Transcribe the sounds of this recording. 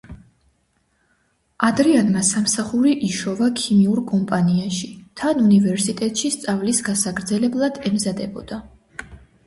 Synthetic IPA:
ad̪ɾianmasamsaχuɾiʔiʃɔvakʰimiuɾkʼɔmpʼaniaʃit̪ʰanunivɛɾsit̪ʼɛt̪ʼʃist̪sʼavlisɡasaɡɾd̪zɛlɛblˠad̪̥ɛmzad̪ɛbɔ̰d̪̥a

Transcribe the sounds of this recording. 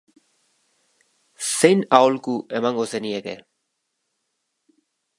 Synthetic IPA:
se̞jnaolkuʔe̞maŋɡo̞senie̞ke̞

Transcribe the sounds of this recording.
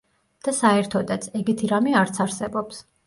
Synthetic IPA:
d̪̥asaɛɾt̪ʰɔd̪at̪sʰɛɡɛt̪ʰiɾamiaɾt̪sʰaɾsɛbɔps

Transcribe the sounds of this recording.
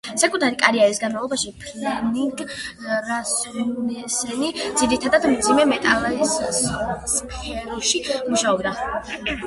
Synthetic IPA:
sakʼut̪ʰaɾikʼaɾiaɾisɡanmavlˠɔbaʃipʰlɛniŋɡɾasunɛsɛlid̪ziɾit̪ʰad̪ad̪md̪zimɛmɛt̪ʼalˠais | spʰɛɾuʃimuʃaɔbd̪a

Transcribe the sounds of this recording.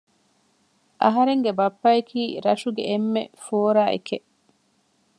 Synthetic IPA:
ʔɐ̰ɦɐɾeŋɡebɐpːɐekʰiːɾɐʃuɡeʔːmːḛfoːɾaːʔḛkeʔ

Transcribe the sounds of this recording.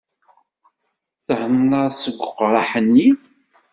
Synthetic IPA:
θəhənːəɾˤsəɡʷːʊqːɾˤɑħənːi

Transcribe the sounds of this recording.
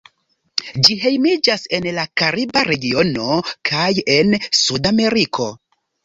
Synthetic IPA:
d͡ʒiɦe̞jmid͡ʒase̞nlakaɾibaɾe̞ɡio̞no̞kʰaje̞nsudame̞ɾikʰo̞

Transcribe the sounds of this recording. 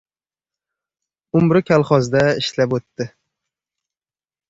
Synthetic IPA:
ʊmɾɪkʲʰalˠχɒzd̪aɪʃlapot̪ːɪ

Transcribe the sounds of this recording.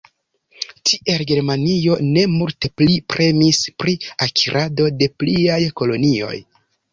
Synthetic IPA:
tʰiʔe̞lɡe̞ɾmanio̞ne̞multeplipɾʔe̞mispɾiakʰiɾʔado̞de̞pliajko̞lo̞nio̞̰j

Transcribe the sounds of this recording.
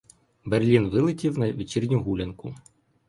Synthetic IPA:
berlʲinʋɪlˠɪtʲiwnɐʋʲit͡ʃirʲnʲuɦulʲɐnkʊ

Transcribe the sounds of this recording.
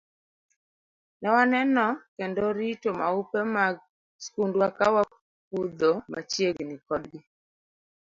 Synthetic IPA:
nawanɛnɔkɛndɔɾitoma̰upemaɡ̚ | skundwakawa | kud̪ɔma̰t͡ʃjeɡnɪkɔdɡɪ

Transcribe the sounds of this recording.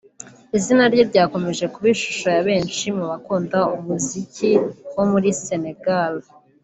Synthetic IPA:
izinaɾjoɾɟaːko̞me̞ʒe̞kuβiʃu̥ʃojaβe̞ːnʃimuβakuːndaumuziciwo̞muɾise̞ne̞ɡal

